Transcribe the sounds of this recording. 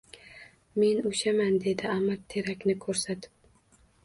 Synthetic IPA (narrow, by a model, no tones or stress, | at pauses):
me̞nʊʃamand̪e̞d̪ɪamːaɾt̪ʰe̞ɾakʲnɪkʰɵɾsat̪ʰɪ̥p̚